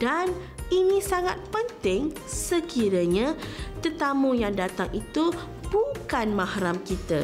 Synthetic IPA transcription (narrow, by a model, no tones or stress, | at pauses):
d̥an | inĩsaŋat̪̚pənt̪ɪŋ | səkiɾəɲat̪ət̪amũjaŋdat̪aŋʔit̪u | b̥ukanmãhɾamkit̪ə